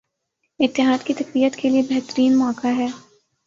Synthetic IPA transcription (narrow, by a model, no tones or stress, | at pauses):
ɪt̪ːɪɦaːd̪kit̪ɐkbiːət̪kʰeliebɛɦt̪əɾiːnmɔːkaɦɛː